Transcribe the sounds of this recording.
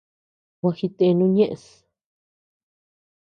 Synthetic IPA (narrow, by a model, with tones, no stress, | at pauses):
wʷã˧xi˧t̪e˧nũ˦ɲẽ˦ʔe˧s